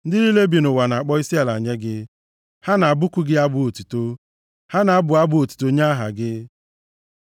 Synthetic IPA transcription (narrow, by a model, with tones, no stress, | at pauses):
n̩˦dɪ˦li˦le˦bi˨nʊ˨wa˨na˨k͡pɔ˦i˦si˦a˨la˨ɲe˦ɡɪ˦ | ha˦na˨bʊ˦kʷʊ˦ɡɪ˦a˦bʊ˨o˨tu˨to˦ | ha˦na˨˦bʊ˨a˦bʊ˦o˨tu̥˨to˦ɲa˦ɦa̰˨ɡɪ˦